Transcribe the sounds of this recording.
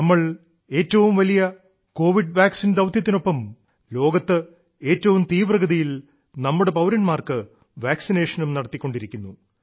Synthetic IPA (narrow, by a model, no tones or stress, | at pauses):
nɐmːɐɭ | e̞ːtːɐʋumʋɐlijɐ | ko̞ːʋiɖʋaːksind̪ɐʋt̪ʰjɐt̪ːino̞pːɐm | lo̞ːɡɐt̪ːɨ | e̞ːtːɐʋumt̪iːʋrɐɡɐðijil | nɐmːuɽe̞pɐwɾɐnmaːrkɨ | ʋaːksine̞ːʂɐnumnɐɽɐt̪ːikːo̞ɳɖiɾikʲːunːu